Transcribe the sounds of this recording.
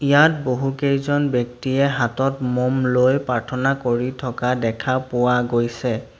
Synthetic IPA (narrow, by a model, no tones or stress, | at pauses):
ijat̚boɦukejzɔnbjɔktiɛɦatɔtmɔmlojpaɹtʰɔnakoɹitʰɔkadɛkʰapʊwaɡojsɛ